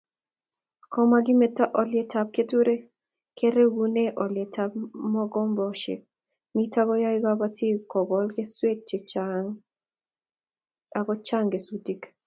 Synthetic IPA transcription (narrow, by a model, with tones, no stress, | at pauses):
kɔ˦ma˦ɡɪ˦me˨tːa˦ʔɔ˨lɪe˦tap̚ke˦tu˦ɾe˦ | kʰe˦ɾe˦wu˦ne˦ʔɔ˨lɪe˨tʰap̚mɔ˦ɡɔ˦mbɔʃḛ˨k̚ | mi˦ta˦ɡɔ˦ja˦ɪ˦ɡa˦ba˦tʰi˦kɔ˨ɡɔ˦lɡe˦swe˦t̚t͡ʃeŋ | a˨ɡɔ˦t͡ʃa˦ŋɡe˨su˦ti˦k